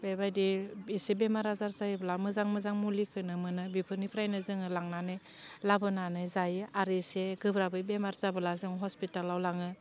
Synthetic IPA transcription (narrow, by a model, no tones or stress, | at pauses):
bebajdiisebemaɾazaɾzajɯblamɯzaŋmɯzaŋmulikʰɯnɯmɯnɯbipʰɯɾnipʰɾajnɯzɯŋɯlaŋnanɯj | labɯnanɯjzajɯaɾeseɡɯbɾabɯjbemaɾzabɯlazɯŋɦɔspitalːawlaŋɯ